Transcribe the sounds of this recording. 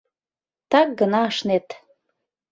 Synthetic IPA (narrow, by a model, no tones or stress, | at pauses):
t̪ɑk̚ɡənɑəʃnet̪